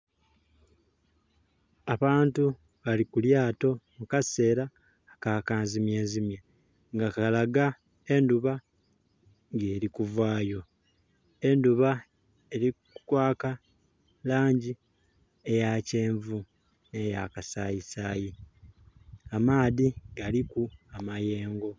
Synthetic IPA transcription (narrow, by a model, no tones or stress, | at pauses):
aβaːntu | βalikuljaːto̞mukase̞ːɾaː | kaːkaːnzimje̞ːnzimje | ŋɡakalaɡa | e̞nduβa | ŋɡeːɾikuvwaːjo̞ | e̞nduβa | eɾikukwaːka | laːɲɟi | ejace̞ːɱvu | ne̞jakasaːjisaːji | amaːðiɡalikuamaje̞ːŋɡo̞